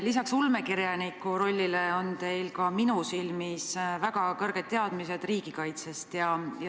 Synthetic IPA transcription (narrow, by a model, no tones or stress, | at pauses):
lisɑksulmekiɾjɑnikːˑuɾo̞lʲːileo̞nt̪e̞jlkɑminusilmisvæɡ̥ɑkɤrɡ̥et̪̚t̪ːe̞ɑd̪̥mise̞d̪̥riːɡ̥ikɑjt̪sest̪jɑjɑ